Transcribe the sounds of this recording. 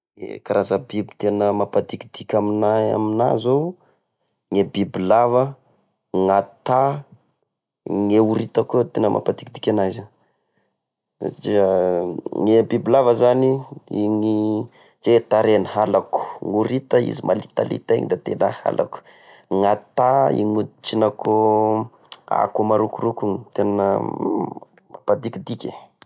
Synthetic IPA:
ḛkaɾazəbibi̥t̪enəmapad̪ikid̪̥ikʲaminaa̰mina̰zo | ŋebibilavə | ŋat̪a | ŋeuɾit̪akot̪enəmʔa̰pad̪ikid̪ikʲanajza | a̰d͡ʒi | ŋebibilavəzaniiŋi | d͡ʒet̪aɾeniɦalaku̥ŋuɾit̪əḭzimʔalit̪a̰lḭt̪aḭŋid̪at̪ḛnəha̰lʔa̰ku̥ | ŋat̪aḭŋut͡ʃinako | a̰kumaɾukurukuŋit̪enə | mapad̪ikid̪ikʲḛ

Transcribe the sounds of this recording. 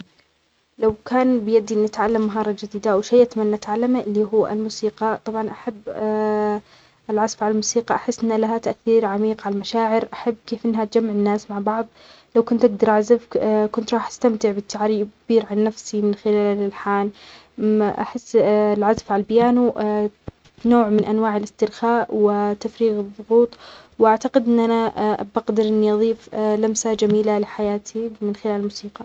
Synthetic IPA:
lawkaːnbɪjad̪ːiʔnːɪt̪ʕalːamːaɦɑːɾˤɑd͡ʒɪd̪iːd̪awʃajʔat̪manːʔt̪ʕalːamaʔɪlːiːɦuːʔa̰lmuːsiːqɑt̪ˤɑbʕɑnʔaħabː | ɪlʕazfʕalalmuːsiːqɑʔaħɪsːʔɪnːlaɦat̪aʔθiːɾʕamiːqʕalalmaʃaːʕɪɾʔaħabːkeːfʔɪnːɦat̪̚d͡ʒamːɪʕɪnːaːsmaʕbɑʕðˤ | lawkʊnt̪ʔaɡ̚d̪ɑɾˤʔaʕzafkʊnt̪ɾˤɑːħʔḁst̪amt̪ɪʕbɪt̪ːaʕɾiːbkb̥iːɾʕanːafsimɪnxɪlaːlɪlħaːn | ʔa̰ħɪsːlʕazafʕalalbɪjaːnu | noːʕmɪnʔanwaːʕɪlɪst̪ɪɾxaːʔwɪt̪afɾiːɣɨðˤːʊɣuːt̪ˤ | wʔaʕt̪aqɪd̪ʔɪnːʔanabaɡd̪ɑɾʔɪnːiʔɑðˤiːflamsad͡ʒamiːlalɪħajaːt̪ʰimɪnxɪlaːlmuːsiːqɑ

